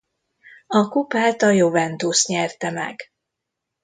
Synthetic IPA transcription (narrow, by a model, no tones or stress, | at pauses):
ɒkupaːlt̪ɒjovɛnt̪uːst̪ɲɛrt̪ɛmɛ̰ɡ̥